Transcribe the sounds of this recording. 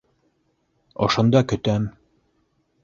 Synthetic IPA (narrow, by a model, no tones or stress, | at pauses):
ŏ̰ʃŏnd̪ɑkɵ̆t̪æm